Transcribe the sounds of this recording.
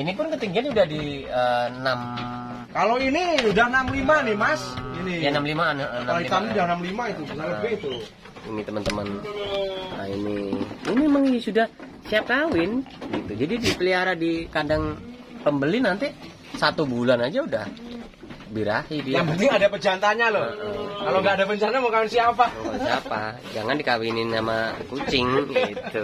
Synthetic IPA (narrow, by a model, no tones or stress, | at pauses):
inipʊnkət̪iŋɡianudahdi | ənam | kaloiniudahnamlimanimasinijanamlimannak̪amiudahnamlimaiubəsaɾəbeit̪u | ḭmit̪əmənt̪əmən | a̰ḭnḭiniemaŋinisudah | siap̚kawɪnɡit̪ud͡ʒadidipəliaɾadikadaŋ | pəmbəlɪnant̪i | sat̪ubulanad͡ʒaudah | biɾahidijaŋpənt̪ɪŋadapət͡ʃant̪aɲalʊəʔkaloŋɡaːdapəɲt͡ʃanamkawɪnsiapakosaapad͡ʒaŋandikawinɪnsamakut͡ʃɪŋit̪u